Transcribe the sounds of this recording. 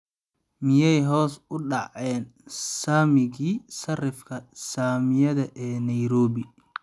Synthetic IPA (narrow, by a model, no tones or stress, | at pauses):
mɪjɛjɦɔːsʊɖɑʕɛːnsaːmɪɣiːsɐrɪfkʰɐsaːmɪjɐðɐʔɛːnɐjɾɔːβɪ